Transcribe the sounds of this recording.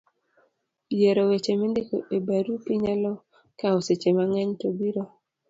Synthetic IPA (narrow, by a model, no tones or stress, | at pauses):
jeɾowet͡ʃemendekoʔebaɾupiɲalɔ | kaoset͡ʃemaŋɛɲtobiɾo